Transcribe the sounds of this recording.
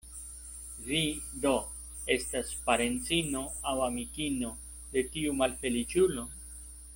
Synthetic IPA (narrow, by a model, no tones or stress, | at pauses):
vido̞ | e̞staspaɾe̞nt͡sino̞awamikino̞ | d̪e̞tiumalfe̞lit͡ʃulo̞